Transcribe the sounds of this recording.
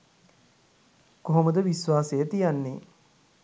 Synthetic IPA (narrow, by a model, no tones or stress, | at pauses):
koɦoməd̪əʋisʋaːsejət̪ijanːḛː